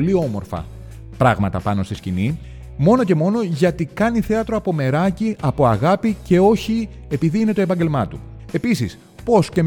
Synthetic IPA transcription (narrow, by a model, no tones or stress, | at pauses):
lio̞mo̞ɾfɐ̰ | pɾɐɣmɐt̪ɐpɐno̞st̪iscini | mo̞no̞ce̞mo̞no̞ʝɐt̪ikɐniθe̞ɐt̪ɾoɐpo̞me̞ɾɐciɐpo̞ɐɣɐpice̞o̞çi | epiðiine̞t̪o̞e̞pɐɲɟe̞lmɐt̪ue̞pisis | po̞sce